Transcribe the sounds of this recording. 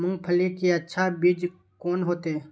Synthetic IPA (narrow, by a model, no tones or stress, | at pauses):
mʊ̃ŋɡpʰəlekiɐtːʃʰabid͡ʒ | koːnɦoːt̪eː